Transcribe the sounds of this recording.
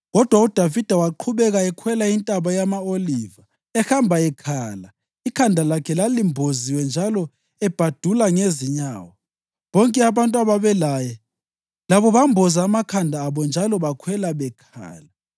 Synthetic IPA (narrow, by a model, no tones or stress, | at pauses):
ɣɔd̥ʱwaud̥ʱavid̥ʱawaǃʰuβɛɣaɛkʰwɛlaintʼaβajamaoliːva | ɛxambʱaɛkʰaːla | ikʰandʱalakʰɛlalimbʱoziwɛnd͡ʒʱalɔ | ɛb̥ʱad̥ʱulaŋeziɲa̰ːwa | βɔŋkʼɛaβantʼuaβaβɛlajɛ | laβɔβambʱɔzaːmakʰandʱaːβɔnd͡ʒʱalɔβakʰwɛlaβɛkʰa̰ːla